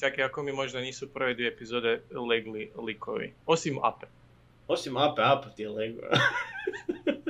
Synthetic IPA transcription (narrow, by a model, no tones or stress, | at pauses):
sakeakomimoʒd̪aniːsupr̩ʋed̪ʋieepizoːd̪eleɡlilikʰo̰ʋḭosima̰pe̥ | osimapeapt̪ieleɡla̰